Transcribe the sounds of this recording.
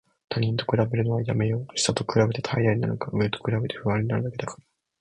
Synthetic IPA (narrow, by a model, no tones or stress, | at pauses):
t̪ʰaɲ̟ĩnt̪o̞̥kɯ̟ɾabe̞ɾɯ̟no̞βajame̞jo̞ːɕi̥sat̪o̞kɯ̟ɾabe̞t̪et̪ʰaijaiɲina̰nokaɯ̟et̪o̥kɯ̟ɾabe̞t̪e̞ɸɯ̟βãɲ̟inaɾɯ̟d̪ake̞d̪akḁɾa